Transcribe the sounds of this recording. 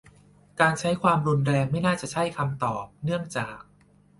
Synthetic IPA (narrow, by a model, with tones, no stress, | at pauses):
kaː˧nt͡ɕʰa˦˥jkʰwaː˧mɾu˧nɾɛː˧ŋma˥˩jnaː˥˩t͡ɕa˨˩t͡ɕʰa˥˩jkʰa˧mt̪ɔː˨˩p̚nɯ˥˩əŋt͡ɕaː˨˩k̚